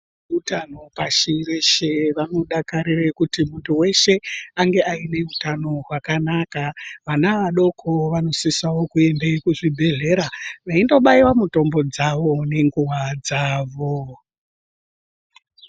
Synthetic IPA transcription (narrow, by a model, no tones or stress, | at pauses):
utano̞paʃireʃeʋano̞ɗakaɾirekutimuntuwe̞ʃe̞aŋɡe̞ʔaine̞utano̞rwakanakaʋanaʋaɗo̞kʰoʋano̞sisawo̞kue̞mdeikuʐibʱe̞ɮe̞ɾaʋaindo̞ɓaiwamuto̞mbo̞d͡zaʋo̞ne̞ŋɡuwad͡zaːʋo